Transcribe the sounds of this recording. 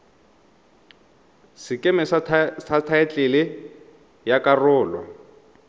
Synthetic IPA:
sɪkʼɛmɪssatʰaɛt͡ɬʼɪlɪ | jakʼarʊːlwa̰

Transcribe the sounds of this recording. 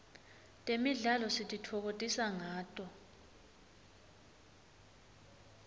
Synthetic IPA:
tʼemiɮalɔsitʼitʰɔk̬otʼisaŋaːtʼɔ

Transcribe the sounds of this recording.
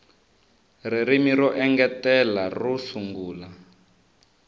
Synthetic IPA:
riɾimiɾɔʔɛŋɡɛtɛlarusuŋɡuːla

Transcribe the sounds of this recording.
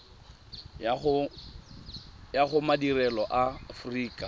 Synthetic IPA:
jaχʊmadirɛlɔʔafriːkʼa

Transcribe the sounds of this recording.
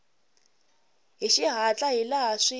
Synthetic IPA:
ɦiʃiɦat͡ɬʼaɦilaaʂi

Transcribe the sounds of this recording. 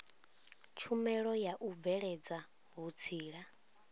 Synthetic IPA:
t͡ʃʰumɛɺɔjaʔub̪vɛɺɛd͡za | ɦut͡sʰiːɺa

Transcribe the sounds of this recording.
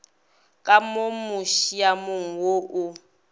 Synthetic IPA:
kʼamomuʃijamʊŋ̩woʔʊ

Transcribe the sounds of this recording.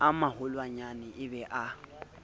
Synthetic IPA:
amahʊlwaɲanɪʔɪbɛʔa

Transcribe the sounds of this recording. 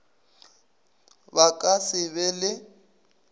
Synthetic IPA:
bakʼasɪβɛlɪ

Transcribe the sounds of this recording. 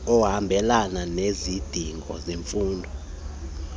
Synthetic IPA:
ɔhambʱɛlananezid̥ʱiŋɡʱɔ̰zeɱfuːndʱɔ

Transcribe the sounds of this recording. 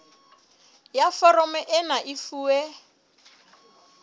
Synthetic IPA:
jafɔɾɔmɛʔɪnaʔifuːɛ

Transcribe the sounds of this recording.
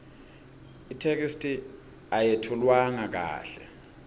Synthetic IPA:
itʰek̬istʰʼi | ajetʰulwaŋak̬a̰ːɬɛ

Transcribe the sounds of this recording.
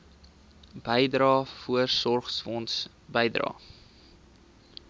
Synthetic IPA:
b̥əjdrɾɑːfuərsɔrχsfɔnts | bəjdrɑ̰ː

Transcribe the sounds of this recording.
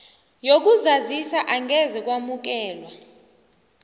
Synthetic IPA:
jok̬ʼuzazisaʔaŋɡʱɛzɛk̬ʼwamuk̬ɛːlwa

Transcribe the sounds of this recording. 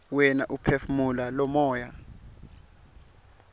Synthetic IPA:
wɛnaʔupʰefmulalɔmɔːja

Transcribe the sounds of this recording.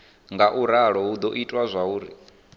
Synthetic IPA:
ŋɡaʔuɾaɺɔɦud̪ɔʔitʼwazʷauːɾi

